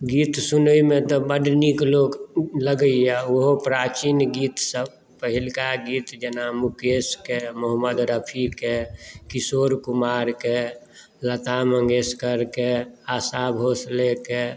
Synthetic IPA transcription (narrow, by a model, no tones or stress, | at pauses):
ɡit̪sunəimet̪ɔbəɖniklokləɡəiaoɦopɾat͡ʃinɡiːt̪səb | pəɦilkaɡiːt̪d͡ʒənamukeskemoɦməd̪ɾəpʰikekisoːɾkumaɾke | lət̪aməŋɡeskəɾkeasabʱoːsleke